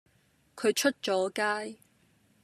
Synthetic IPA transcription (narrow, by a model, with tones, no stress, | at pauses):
kʰɵ˨˧ɥt͡ʃʰɵ˥t̚t͡ʃɔː˨˥kaː˥j